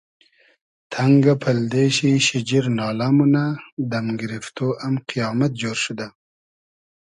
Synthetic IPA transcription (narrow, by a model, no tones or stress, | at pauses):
t̪ʰaŋɡapʰald̪eʃiʃɪd͡ʒiɾnɑːlamunad̪amɡɪɾift̪oʔamqijɑːmat̪̚d͡ʒoːɾʃud̪a